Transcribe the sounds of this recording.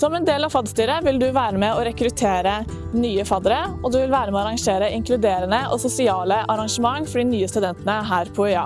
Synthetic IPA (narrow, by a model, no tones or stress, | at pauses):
sɔmɛnd̪eːlɑʋfɑd̪st̪yːɾəʋɪld̪ʉʋæːɾəmɛɔɾɛkɾʉt̪ʰeːɾə | nyːəfɑd̪ɾəɔd̪ʉʋɪlʋæːɾəmɛɑɾɑŋʂeːɾəʔɪŋklʉd̪eːɾənəʔɔsʊsɪɑːləʔɑɾɑŋʂəmɑŋːfɔɖiːnyːəst̪ʉd̪ɛnt̪ənəɦæːɾpʰɔœɑ̰